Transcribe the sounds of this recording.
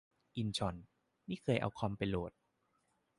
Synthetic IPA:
ʔi˧nt͡ɕʰɔ˧nː | iː˥˩kʰɤː˧jʔa̰˧wkʰa˧mpa˧jloː˨˩t̪̚

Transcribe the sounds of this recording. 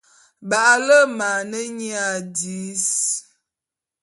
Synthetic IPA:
ba˨ʔlə˦ma˨nə˦ɲi˦a˨di˨˦s

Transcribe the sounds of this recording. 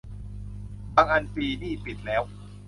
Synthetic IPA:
baː˧ŋʔa˧nfiː˧niː˥˩pi˨˩t̪̚lɛː˦˥w

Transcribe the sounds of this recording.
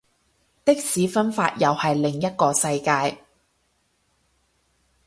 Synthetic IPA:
t̪ɪ˥k̚siː˨˥fɐ˥nfaː˧t̚jɐ˨whɐ˨jlɪ˨˩ŋjɐ˥t̚kɔː˧sɐ˧jkaː˧j

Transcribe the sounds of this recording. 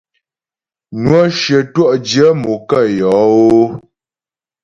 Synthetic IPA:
nwɔ˦ʃə˨twɔ˦ʔd͡ʒjə˦mo˨kə˦˨jɔ˨˦o˦

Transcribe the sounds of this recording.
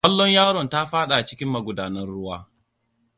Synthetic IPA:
kɐ˦lːɔ˦ɲjaː˦ɽɔ˨nta˦ɸaː˦ɗa˨t͡ʃɪ˦kʲɪ˦mːɐ˨ɡʷʊ˨daː˨nɐ˦rɽʊ˦waː˦

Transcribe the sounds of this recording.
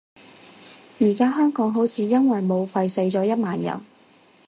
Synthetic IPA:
jiː˨˩kaː˥ɦœː˥ŋkɔː˨˥ŋɦo˨˥wt͡sʰiː˨˧jɐ˥nwɐ˨jmo˨˧wfɐ˧jsɐ˧jt͡ʃɔː˨˧˥jɐ˥t̚maː˨njɐ̰˨˩n

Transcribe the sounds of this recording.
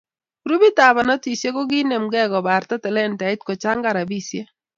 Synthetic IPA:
ɾu˦bi˦ta˨ba˨nɔ˦ti˨se˦ko˦ɡɪ˦ne˨mɡɛ˦ɡɔ˨ba˨ɾtɔ˦tɛ˨lɛ˦˨nta˨ɪ˦tkɔ˨t͡ʃa˦ŋɡa˦˨ɾa˨bi˦˨sje˦

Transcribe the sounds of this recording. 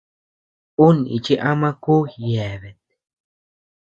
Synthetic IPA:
u˦nḭ˨t͡ʃi˦ʔa˦mã˦ku˦hjɛ˨βe˨t̪̚

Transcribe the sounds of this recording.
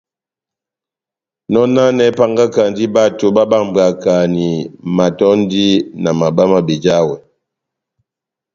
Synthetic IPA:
nɔ˦na˦nɛ˨˦pa˨ŋɡa˦ka˨n˦di˦ba˦to˨ba˦ba˦˨ŋ˨ba˨ka˨ni˨ma˨tɔ˦n˦di˦na˨ma˨ba˦ma˨be˨d͡ʒa˦wɛ˨

